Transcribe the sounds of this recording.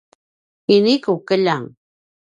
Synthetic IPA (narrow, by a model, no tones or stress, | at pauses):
inikukəʎaŋ